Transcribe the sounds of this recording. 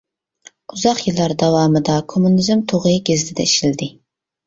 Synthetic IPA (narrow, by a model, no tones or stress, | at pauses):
uzɑqjilˠːɑɾd̪ɑwɑːmɨd̪ɑkʰomːunɪzɨmt̪ʰoʁɨjɡʲezd̪ʰɪd̪ɛ̰iʃild̪ɪ